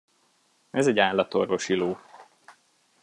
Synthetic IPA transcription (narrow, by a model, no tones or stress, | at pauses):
ɛzɛɟaːlːɒt̪orvo̞ʃiloː